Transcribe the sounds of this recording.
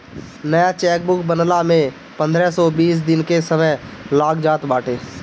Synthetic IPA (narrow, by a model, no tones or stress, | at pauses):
nəjat͡ʃɛːk̚bʊkbənlamẽ | pə̃nd̪ʱɾɛsɔbiːs̬d̪ɪnkesəməɦlaːɡd͡ʒaːt̪baːʈʰeː